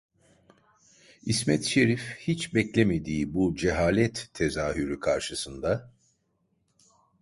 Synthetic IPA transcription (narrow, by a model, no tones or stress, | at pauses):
ismɛt̪ʃe̞ɾifhit͡ʃbɛclʲeme̞d̪iːbud͡ʒeɦaːlʲɛt̪ʰːe̞zaːɦyɾykʰaɾʃɯsɯnd̪a